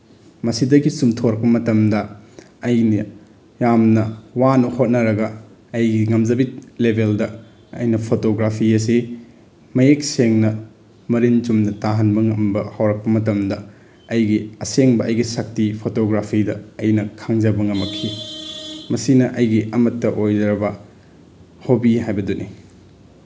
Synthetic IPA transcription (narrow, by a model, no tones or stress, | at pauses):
mɐsidɐɡisumtʰoɾɐk̚pɐmɐtɐmdɐ | ɐjnɐ | jamnɐwanɐhot̚nɐɾɐɡɐː | jɡiŋɐmd͡ʒɐbit̚lebʱeldɐ | ɐ̰jnɐpʰotoɡɾapʰiɐs̬i | mɐjek̚seŋnɐ | mɐɾint͡ʃumnɐtaɦɐnbɐŋɐmbɐhɐwɾɐk̚pɐmɐtɐmdɐ | ɐjɡiɐseŋbɐʔɐjɡisɐk̚tipʰotoɡɾapʰidɐɐjnɐkʰaŋd͡ʒɐbɐŋɐmːɐkʰːi | mɐsinɐʔɐjɡiʔɐmɐtːɐʔojdɾɐbɐ | hobiɦajbɐduni